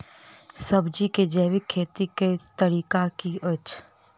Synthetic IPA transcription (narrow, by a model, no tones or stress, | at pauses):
səbd͡ʒiked͡ʒɛːʋikʰːeːt̪iket̪əɾiːkakiət͡ʃ